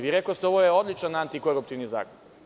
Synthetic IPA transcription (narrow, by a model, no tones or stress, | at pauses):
ʋiɾekost̪eo̞ʋojeo̞d̪lʲit͡ʃanant̪iko̞ɾup̚t̪iʋniza̰ːkon